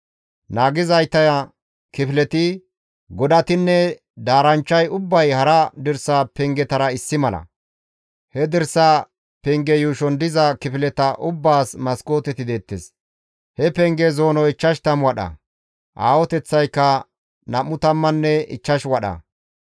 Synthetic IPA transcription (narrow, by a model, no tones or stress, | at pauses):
naːɡɪzɐjt̪ːɐjɐ | kɪfɪlɛt̪ɪ | ɡɔd̪ɐt̪ɪnːɛ | d̪aːɾɐnt͡ʃːɐjʊbːɐjhɐɾɐd̪ɪɾsaːpɛŋɡɛt̪ɐɾɐɪsːɪmɐlʔɐ̰ | hɛd̪ɪɾsa | pɛŋɡɛjuːʃɔnd̪ɪzɐkɪfɪlɛt̪ɐʔʊbːaːsmɐskʼo̞ːt̪ɛt̪ɪd̪eːt̪ːɛs | hɛpɛŋɡɛzo̞ːnɔɪt͡ʃːɐʃt̪ɐmwɐɗɐ̰ | ʔaːwɔt̪ɛt͡sːɐjkːɐ | nɐmːʊt̪ɐmːɐnːɛɪ̰t͡ʃːɐʃwɐɗɐ̰